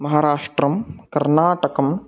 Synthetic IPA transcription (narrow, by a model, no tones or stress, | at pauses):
mɐɦaːɾaːʂʈɾɐmkɐɾnaːʈɐkɐm